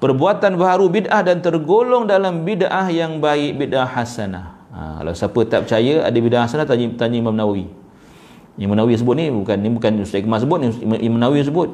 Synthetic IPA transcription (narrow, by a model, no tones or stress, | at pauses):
pərbuat̪anbaɦaɾubidʔahdant̪ərɡolɔŋdalambidʔahjaŋbaɪk̚bidahasana̰h | a̰ka̰la̰wsapət̪ap̚t͡ʃajəa̰dəbidahasanaht̪aɲt̪aɲəimamnawi | mamnawis̬əbʊt̪̚nibukanːibukanustaʔkəmas̬əbʊt̪̚niʔimamnawis̬əbʊt̪̚